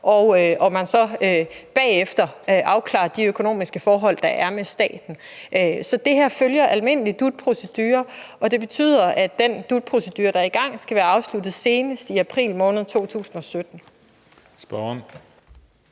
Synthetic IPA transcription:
ʔɒʊʔɒ̽mænsɒ̽øb̥ɛ̰ːefd̥ɐʔɑ̈ʊkʰlɑ̰̈ːɐd̥iøkʰo̝no̝̰ːmisɡ̥əfɒːɦɒ̽l̰d̥ɑ̈ʔæɐmesd̥ɛ̰ːd̥n̩ | ʔøsɒ̽d̥e̝ɦæɐ̰føljɐʔælme̝n̰əlid̥ud̥̚pʰʁo̝sed̥yːɐɒ̽d̥e̝b̥e̝t͡sʰy̰ːð̰ˠɐʔæd̥end̥ud̥̚pʰʁo̝sed̥yːɐɾ̥ɑ̈ɐiɡ̥ɑ̈ŋ̰sɡ̥æʋæːɐɑ̈ʊslud̥ð̩ˠse̝ːnəsd̥iæpʰʁḭːlmɔ̽ːnðˠt͡sʰo̝̰ːt͡sʰṵːsn̩ɒ̽sød̥n̩ | sb̥ɒn

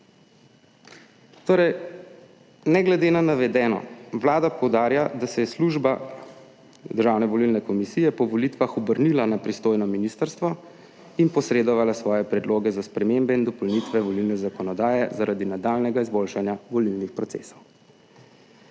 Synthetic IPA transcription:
t̪oːɾɛj | nɛɡlɛd̪eːnanaʋɛd̪ɛːnɔ̰ʋlaːd̪apɔwd̪aːɾjad̪asɛjɛsluʒba | d̪əɾʒaːwnɛʋɔlilnɛkɔmisijɛpɔʋɔlit̪ʋaxɔbəɾnilanapɾist̪oːjnɔminist̪əɾst̪ʋɔ | inpɔsɾeːd̪ɔʋalasʋɔːjɛpɾɛd̪loːɡɛzaspɾɛmembɛind̪ɔpɔlnit̪ʋɛʋɔlilnɛzakɔnɔd̪aːjɛzaɾad̪inad̪aːlnɛɡaizbolʃanjaʋɔlilnixpɾɔt̪sḛsɔw

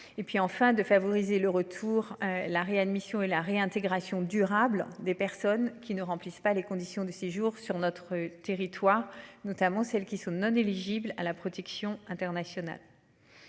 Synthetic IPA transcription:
epɥiɑ̃fɛ̃d̪əfavɔʁizeləʁət̪ʰuʁlaʁead̪misjɔ̃elaʁeɛ̃t̪eɡʁasjɔ̃d̪yʁabld̪epɛʁsɔnkʲinəʁɑ̃plispalekɔ̃d̪isjɔ̃d̪əseʒuʁsyʁnɔt̪χət̪eʁit̪waːʁnɔt̪amɑ̃sɛlkʲisɔ̃nɔ̃neliʒibla̰lapχɔt̪ɛksjɔ̃ɛ̃t̪ɛʁnasjɔna̰l

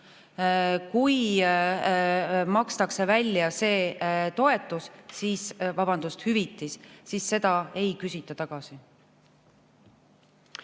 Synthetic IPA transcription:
kuj | mɑkst̪ɑkse̞vælʲːjɑse̞ːt̪o̞e̞t̪ˑːussiːsvɑb̥ɑnd̪̥ust̪hyvit̪ːˑississe̞d̪̥ɑe̞jkysʲit̪ːˑɑt̪ɑɡ̥ɑsi

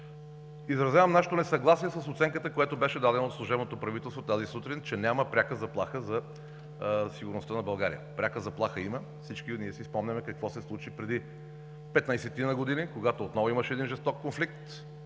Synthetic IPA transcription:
izɾɐzjavəmnaʃe̥t̪onɛsɐɡlˠasiɛsəsot̪sɛŋkət̪əkojat̪obɛʃɛd̪ad̪ɛnot̪slˠuʒɛbnot̪opɾɐvit̪ɛlˠst̪vot̪azisut̪ɾint͡ʃɛnʲaməpɾʲakəzɐplˠaxəzɐ | siɡʊɾnost̪ənɐbɐlˠɡaɾḭjə̰pɾʲakəzɐplˠaxəimə | fsit͡ʃkiniɛsispɔmnʲɐmɛkɐkvɔsɛslˠut͡ʃipɾɛd̪i | pɛt̪nəjsɛt̪inɐɡod̪inikoɡat̪oːt̪nɔvoiməʃɛːd̪inʒɛst̪ɔkːonflik̚t̪

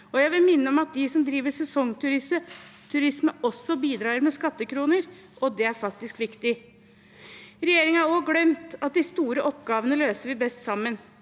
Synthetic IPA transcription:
ɔjæɪʋɪlmɪnːəɔmɑt̪̚d̪ɪsɔmd̪ɾiːʋəʂɛsɔŋːt̪ʰʉɾɪsət̪ʰʉɾɪsməɔsːɔbiːd̪ɾɑːəɾmɛskɑt̪ːəkʰɾuːnəɾ | ʔɔd̪ɛæɾfɑk̚t̪ɪskʋɪkt̪ɪ | ɾɛjeːɾɪŋəɑɾoːɡlœmt̪ɑt̪̚d̪ɪst̪uːɾəʔɔpːɡɑːʋənəløːsəɾʋɪbɛst̪sɑmːən

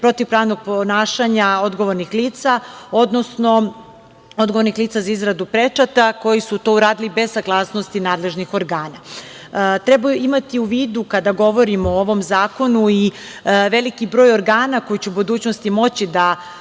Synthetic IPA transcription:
pɾo̞t̪iʋpɾaːʋnoɡ̚ponaːʃaɲao̞d̪ɡo̞ʋo̞ɾnixliːt̪sao̞d̪no̞sno̞ | o̞d̪ɡoʋo̞ɾnixliːt̪sazaizɡɾad̪upɾe̞t͡ʂat̪ako̞jisut̪o̞ːuɾaːd̪ilibe̞zsaɡlˠaːsnost̪inaːd̪le̞ʒnixo̞ɾɡaːna | t̪ɾebajuʔimat̪iuʋiːd̪ukad̪aɡo̞ʋo̞ɾimooʋo̞mzaːko̞nui | ʋe̞likibɾo̞ːjoɾɡaːnako̞jit͡ɕeubud̪uːt͡ɕnost̪imo̞t͡ɕid̪a

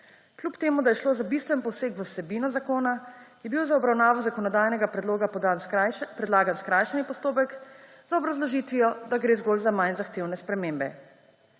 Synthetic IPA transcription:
klʲupt̪eːmud̪ajɛʃloːzabist̪ʋɛnpɔwseːkʋəwsɛbiːnɔzakoːnajɛbiwzaɔbɾawnaːʋɔzakɔnɔd̪ajnɛɡapɾɛloːɡapd̪anpɾɛd̪laːɡanskɾajʃɛnipɔst̪oːp̬ɛk | zaɔbɾazlɔʒit̪ʋijɔd̪aɡɾeːzɡoːlzamajnzaxt̪eːwnɛspɾɛmembɛ̰

